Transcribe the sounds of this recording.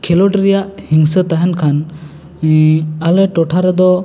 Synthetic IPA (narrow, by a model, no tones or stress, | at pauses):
kʰɛlɔʈɾɛjaʔhiŋsət̪aɦɛnkʰan | alɛʈɔʈʰaɾɛd̪ɔ